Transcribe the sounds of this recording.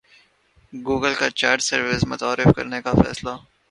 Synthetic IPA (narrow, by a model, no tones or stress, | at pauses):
ɡuːɡəlkat͡ʃaːɾʈsɐɾʋɪsmʊt̪aːɾɪfkɐ̰ɾnekafɛ̰ːsla